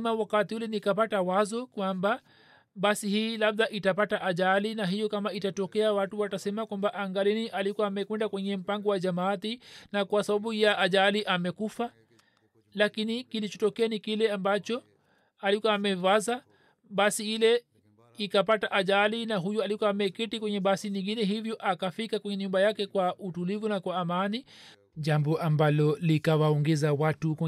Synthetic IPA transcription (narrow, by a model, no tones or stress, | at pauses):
mawakatiulɛnikapatawazɔkwamba | ɓasihiːlabðaʔitapataʔaʄalinaɦijɔkamaitatɔkɛawatuwatasɛmakwambaʔaŋɡaliniʔalikwaːmɛkwɛndakwɛɲɛm̩paŋɡɔwaʄamaːt̪inakwasaɓaɓujaʔaʄaliʔamɛkufa | lakinikilit͡ʃɔtɔkɛanikilɛambat͡ʃɔ | alikwaːmɛvaza | ɓasiilɛ | ikap̬ataʔaʄalinaɦujualikwaamɛkitikwɛɲɛɓasiɲiŋɡinɛɦivjɔʔakafikakwɛɲɛɲumbajakɛkwautulivunakwaːmani | ʄambɔʔambalɔlikawaɔŋɡɛzawatukwɛ